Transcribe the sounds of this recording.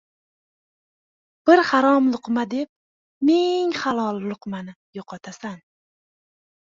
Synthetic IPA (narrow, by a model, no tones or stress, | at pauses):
b̥ɪɾhaɾɒmlˠʊqmad̪e̞p̚ | meŋχalˠɒlˠːʊqmanɪ | joqʰɒt̪ʰasan